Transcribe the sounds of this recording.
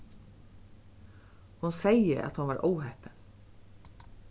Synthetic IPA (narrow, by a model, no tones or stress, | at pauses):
hunsejəʔɑ̰t̪hʊnʋɑːɾʔowhɛpən